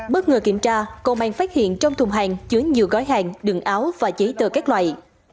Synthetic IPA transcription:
ɓə˦˥t̚ŋəː˨˩ki˧˩əmt͡ɕaː˧kɔ˨˩ɓa̰ː˧˩ŋfaː˦˥t̚hḭ˧˨ənt͡ɕɔ˧wŋ͡mt̪ʰʊ˨˩ŋ͡mɦa˨˩ŋt͡ɕɨ˨˦əŋɲḭ˨˧˨əwɣɔ˨˦jɦaː˨˩ŋɗɨ˨˩ŋʔaː˨˦wvaː˨˩t͡ɕə˨˦t̪əː˧˩kaː˦˥k̚lwa̰ː˧˨j

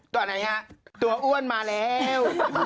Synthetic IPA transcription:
t̪ɔː˧na˦˥jʔa˦˥˩t̪u˧ɐʔu˥˩ənmaː˧lɛː˦˥w

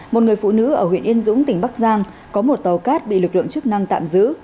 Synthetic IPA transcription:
mo˨˩t̚ŋɨ˨˩əjfṵ˧˨nɨ̰˧˥ʔəː˧˩hwḭ˧˨ənʔi˧ənzʊ̰˧˥ŋ͡mt̪ï˨˩ŋ̟ɓa˦˥k̚zaː˧ŋ | kɔ˨˦mo˨˩t̚t̪ə˨˩wkaː˦˥t̚ɓḭ˧˨lɨ˨˩k̚lɨ̰˧˨əŋt͡ɕɨ˦˥k̚na˧ŋt̪a̰ː˧˨mzɨ̰˧˥

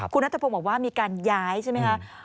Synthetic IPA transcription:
kʰu˧nːa˦˥t̪ʰa˧pʰo˧nbɔː˨˩waː˥˩miː˧kaː˧njaː˦˥jt͡ɕʰa˥˩ma˦jkʰa˦˥ʔ

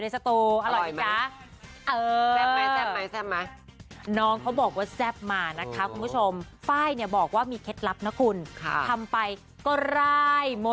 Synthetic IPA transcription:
da˥˩jsa˧t̪uː˧ʔa˧ɾɔ˨˩ja˦˥ | ʔɤː˨˧˥ɛ˥ma˦˥sɛː˥˩p̚ma˦˥nɔː˦˥ŋkʰa˦˥wbɔː˨˩k̚waː˥˩sɛ˦˥˩p̚maː˧na˦˥kʰa˦˥kʰu˧npʰu˦˥˩t͡ɕʰo˧mfaː˥˩jni˥˩bɔː˨˩k̚waː˥˩miː˧kʰe˦˥t̪̚la˦˥p̚na˦˥kʰu˧nkʰa˧t̪ʰa˧mpa˧j | kɔː˥˩ɾa˥˩jmo˧

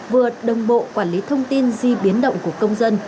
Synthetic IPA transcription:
vɨ˨˩əɗə˨˩wŋ͡mɓo̰˧˨kwaː˧˩nli˨˦t̪ʰə˧wŋ͡mt̪i˧nzi˧ɓi˨˦ənɗə̰˧˨wŋ͡mku˧˩əkə˧wŋ͡mzə˧n

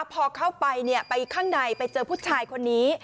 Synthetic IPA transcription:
pʰɔː˧kʰa˥˩wpa˧jni˥˩ɐpa˧jkʰaː˥˩ŋda˧jpa˧jt͡ɕɤː˧pʰuː˥˩t̪̚t͡ɕʰaː˧jkʰo˧nːiː˦˥

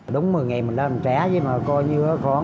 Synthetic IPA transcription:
ɗʊ˨˦wŋ͡mmɨ˨˩jŋa˨˩mi˨˩nɗla˧˩˨t͡ɕaː˨˦zi˨˦maː˨˩kɔ˧jɲɨ˧˦xɔ˨˦

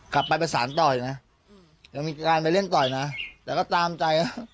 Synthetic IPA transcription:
kla˨˩pːa˧jp̬a˧nsaː˩˦nt̪ɔː˨˩ju˨˩na˦˥ | ja˧ŋmiː˧kaː˧np̬a˧jle˥˩nt̪ɔː˨˩jna˦˥t̪ɛː˨˩kɔː˥˩t̪aː˧mt͡ɕa˧ja˦˩

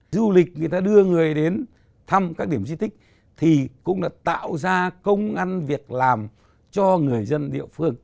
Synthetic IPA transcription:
zu˧li˨˩k̚ŋɨ˨˩əjt̪aː˧ɗɨ˧əŋɨ˨˩əjɗe˨˦n | t̪ʰa˧mkaː˦˥k̚ɗi˧˩əmzi˧t̪ʰï˦˥k̚ | t̪ʰi˨˩kʊ̰˧˥ŋ͡mɗa̰ː˧˥t̪a̰ː˧˨wzaː˧kə˧wŋ͡mʔa˧nvi˨˩ək̚laː˨˩m | t͡ɕɔ˧ŋɨ˨˩əjzə˧nɗḭ˧˨əfɨ˧əŋ

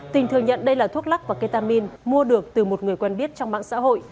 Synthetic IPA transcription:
t̪ï˨˩ŋ̟t̪ɨ˨˩əŋɲə̰˧˨nɗə˧jlaː˨˩t̪ʰu˦˥k̚la˦˥k̚vaː˨˩ke˧t̪aː˧mi˧nmu˧əɗɨ˨˩ək̚t̪ɨ˨˩mo˨˩t̚ŋɨ˨˩əjkwɛ˧nɓi˦˥ət̚t͡ɕɔ˧wŋ͡mma̰ː˧˨ŋsa̰ː˧˥ɦo̰˧˨jʔ

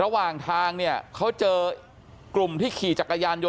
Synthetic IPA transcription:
ɾa˧waː˨˩ŋt̪ʰaː˧ŋni˥˩ɐkʰa˦˥wt͡ɕɤː˧ | klu˨˩mt̪ʰiː˥˩kʰiː˨˩t͡ɕa˨˩kːa˧jaː˧njo˧

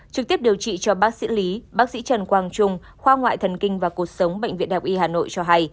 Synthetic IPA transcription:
t͡ɕɨ˨˩t̪i˦˥əp̚ɗi˨˩əwt͡ɕḭ˧˨t͡ɕɔ˧ɓaː˦˥k̚sḭ˧˥li˨˦ɓaː˦˥k̚sḭ˧˥t͡ɕə˨˩nkwaː˧ŋt͡ɕʊ˧ŋ͡m | xwaː˧ŋwa̰ː˧˨jt̪ʰə˨˩nkï˧ŋ̟vaː˨˩ku˨˩ək̚sə˨˦wŋ͡mɓə̰˧˨jŋ̟vḭ˧˨ənha˨˩k͡p̚ʔi˧haː˨˩no̰˧˨jt͡ɕɔ˧ɦa˧j

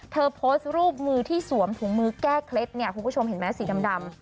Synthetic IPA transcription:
t̪ʰɤː˧pʰoː˦˥st̪̚ɾuː˥˩p̚mɯː˧t̪ʰiː˥˩su˨˩˦əmt̪ʰu˩˦ŋmɯː˧kɛː˥˩kʰle˦˥t̪̚ni˥˩ɐkʰu˧nkʰu˥˩t͡ɕʰmɦe˩˦nmɛː˦˥siː˩˦da˧mda˧m

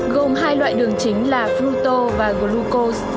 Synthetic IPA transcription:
ɣo˨˩mɦaː˧jlwa̰ː˧˨jɗɨ˨˩əŋt͡ɕï˨˦ŋ̟laː˨˩flu˧t̪o˧vaː˨˩ɣo˨˦lu˧ko˧s

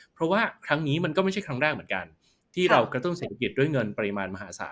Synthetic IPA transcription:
pʰɾɔ˦˥waː˥˩kʰɾa˦˥ŋniː˦˥ma˧nkɔː˥˩ma˥˩t͡ɕʰa˥˩jkʰɾa˦˥ŋɾaː˥˩k̚m˩˦ənka̰˧n | t̪ʰiː˥˩ɾa˧wkɾa˧t̪u˥˩ŋseː˨˩t̪a˧k̬i˨˩t̪̚du˥˩əjŋɤ˧npa˧i˧maː˧nma˧ɦa̰ː˩˦˧sa̰ː˩˦t̪̚

